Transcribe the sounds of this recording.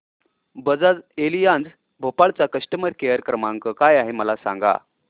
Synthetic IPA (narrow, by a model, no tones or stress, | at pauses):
bəd͡zad͡zelijand͡z | bʱopaɭt͡sakəʂʈəməɾkejəɾkɾəmaŋkəkajaɦeməlasã̰ŋɡa̰